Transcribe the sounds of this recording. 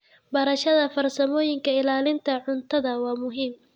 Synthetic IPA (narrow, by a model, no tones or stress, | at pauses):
bɐɾɐʃɐðɐfɐrsɐmɔːjɪŋkʰɐɪlaːlɪnt̪ʰɐʕʊnt̪ʰɐðɐwɑːmʊɦiːm